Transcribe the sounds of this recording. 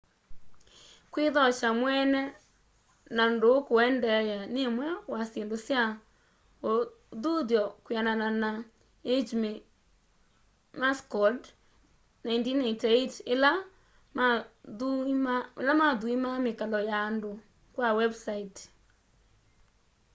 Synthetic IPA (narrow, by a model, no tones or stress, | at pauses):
kweðɔʃamwɛnɛ | nandoːkoɛndɛjanemwɛwasendosja | o | ðuðjɔkwiananana | ed͡ʒmi | maskɔd | naindinaitaitela | maðualamaðuimamekalɔjaːndo | kwawɛbsait